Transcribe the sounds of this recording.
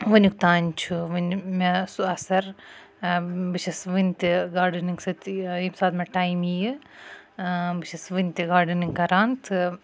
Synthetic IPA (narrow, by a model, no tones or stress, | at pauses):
ʋɨnʲik̚t̪aːnʲt͡ʃʰuʋɨnmɐsuɐsɐɾ | bɨt͡ʃʰɐsʋɨnʲt̪ʲiɡaːɾɖɨniŋɡsɨt̪imsaːt̪mɐʈaːjmijɨ | bɨt͡ʃʰɐsʋɨnʲt̪ʲiɡaːɾɖɨniŋɡkɐɾaːnt̪ʰɨ